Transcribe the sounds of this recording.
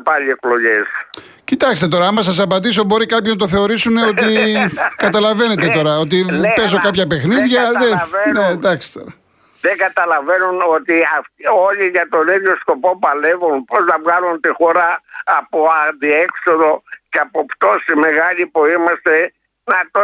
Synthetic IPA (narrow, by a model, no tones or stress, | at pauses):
pɐʎieklo̞ʝes | cit̪ɐkst̪e̞t̪o̞ɾɐɐmɐs̬ɐs̬ɐpɐt̪iso̞bo̞ɾikɐpçoznɐt̪o̞θe̞o̞ɾisune̞o̞t̪ikɐt̪ɐlɐve̞ne̞t̪et̪o̞ɾɐo̞t̪̬ipe̞zo̞kɐpçɐpe̞xniðʝɐðevned̪ɐkst̪o̞ɾɐ | ðeɡɐt̪ɐlɐve̞nunot̪iɐfo̞ʎiʝɐt̪o̞niðjo̞sko̞po̞pɐle̞vunpo̞znɐvɣɐlunt̪ixo̞ɾɐːpoɐnd̪iekso̞ðo̞ceɐpopt̪o̞sime̞ɣɐʎipuimɐst̪e̞ | nɐt̪o